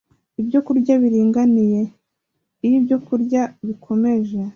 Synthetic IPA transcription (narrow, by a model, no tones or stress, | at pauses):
ibɟo̞kuɾɟaβiɾiːŋɡanije̞ | ijibɟo̞kuɾɟaβikʰo̞me̞ʒe